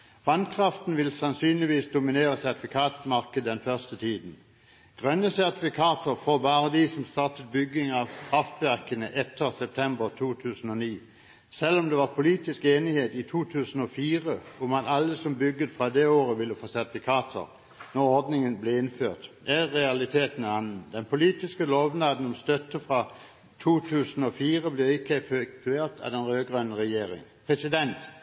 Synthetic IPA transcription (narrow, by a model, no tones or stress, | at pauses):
ʋɑnkʰʁɑft̪n̩ʋɪlsɑnsyːnlɪʋiːsd̪ʊmɪneːʁəsæʁt̪ɪfɪkʰɑːt̪mɑʁkəd̪d̪ɛnfœʁst̪ət̪ʰiːd̪n̩ | ɡ̥ʁœnəsæʁt̪ɪfɪkʰɑːt̪əʁfɔbɑːʁəd̪isɔmst̪ɑʁt̪ət̪̚bʏɡɪŋɑːʋkʰʁɑft̪ʋæʁkənəʔɛt̪ʰːəʁsɛp̚t̪ʰɛmbəʁt̪ʰuːt̪ʰʉːsn̩oːniː | sɛlːɔmd̪ɛːʋɑːʁpʰʊliːt̪ɪskeːnɪheːt̪iːt̪ʰuːt̪ʰʉːsn̩oːfiːʁəɔmɑnɑlːəsɔmbʏɡːət̪fʁɑd̪ɛoːʁəʋɪlːəfoːsɛt̪̚b̪ɪkʰɑːt̪ʰə̰ʁ | nɔʁɔʁd̪nɪŋənblɛɪnfø̰ːʁt̪ | æʁɛɑlɪt̪ʰeːt̪nɑnn̩d̪ɛnpʰʊliːt̪ɪskəloːʋnɑːd̪n̩ɔmst̪œt̪ːəfʁɑ | t̪ʰuːt̪ʰʉːsən̩oːfiːʁəblɪʁɪkʰːəfʏk̚t̪ʰʉeːʁt̪ʰɑ̰d̪ɛnʁøːɡʁœnəʁɛjeːʁɪ̰ŋpʰʁɛsɪd̪ɛnt̪